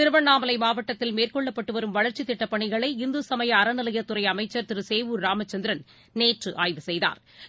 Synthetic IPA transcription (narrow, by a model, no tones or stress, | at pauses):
t̪ɪɾɯʋɐnːaːmɐlɐɪmaːʋɐʈːɐt̪ːɪlmeːrkɔɭːɐpːɐʈːɯʋɐɾɯmʋɐɻɐɾt͡ʃit̪ːɪʈːɐpːɐɳɪɣɐɭɐɪɪnd̪ɯsɐmɐjɐːɾɐnɪlɐjɐt̪ːɯɾɐɪɐmɐɪt͡ʃːɐɾt̪ɪɾɯseːʋuːɾɾaːmɐt͡ʃːɐnd̪ɪɾɐn | neːʈrɯʔaːjʋɯsɛjða̰ːɾ